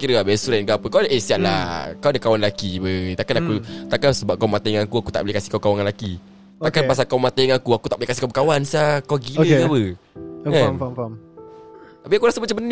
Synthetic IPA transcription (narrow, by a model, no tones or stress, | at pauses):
kiɾəabɛsuɾɛnɡapəkawadəʔesiaʔla̰kawadəkawanlakibət̪akanakut̪akansəbap̚kawmat̪aiŋakuakut̪a̰ʔblikasi̥hkawkawaŋanlaki | t̪akanpas̬akawmãt̪aiŋakuakut̪aʔbəlikasikawbəkawansiakawɡiləkabə | kanam | t̪apiakuɾasəmat͡ʃamən